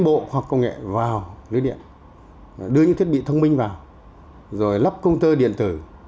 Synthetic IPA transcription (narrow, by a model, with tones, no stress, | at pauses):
ŋɓo̰˧˨hwa˨˩k̚kə˧wŋɛ̰˧˨vaː˨˩wlɨ̰˨˦ɗḭ˧˨ən | ɗɨ˧ə˧ɨ̰˧˥t̪ʰi˦˥t̚ɓi˧˨t̪ʰə˧wŋ͡mmï˧ŋ̟vaː˨˩w | zo˨˩jla˦˥p̚kə˧wŋ͡mt̪əː˧ɗḭ˧˨ənt̪ɨ˨˧˩